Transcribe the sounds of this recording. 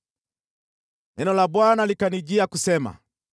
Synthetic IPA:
ɛnɔlabwanalikanid͡ʒiakusɛma̰

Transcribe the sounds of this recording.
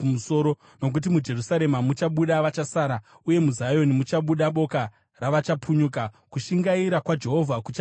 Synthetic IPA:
muso̞ɾo̞ | no̞k̬ut̬imud͡ʒe̞rusaɾe̞mamut͡ʃaɓuɗaʋat͡ʃasaːɾa | uje̞muzajo̞nimut͡ʃaɓuɗaɓo̞ka | raʋat͡ʃapʰuɲuka | kuʃiŋɡaiɾakwad͡ʒe̞ɦo̞vʱakut͡ʃa

